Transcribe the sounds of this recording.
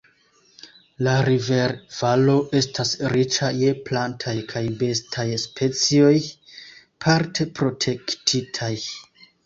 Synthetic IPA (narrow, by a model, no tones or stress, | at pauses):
laɾive̞ɾv̥alo̞ʔe̞stʰasɾit͡ʃaje̞plantʰajkʰajbe̞stʰajspʰe̞t͡sio̞j | pʰaɾtʰe̞pɾo̞tʰe̞ktʰitʰaj